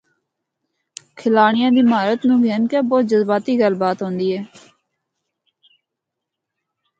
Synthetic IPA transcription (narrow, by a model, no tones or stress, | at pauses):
kʰɪlaːɳ̃ɪjãːd̪iːmaːɾət̪nũːɡʱɛːnkɛːbɔːt̪̚d͡ʒəzbaːt̪iːɡəlbaːt̪ɦõːnd̪iːɛː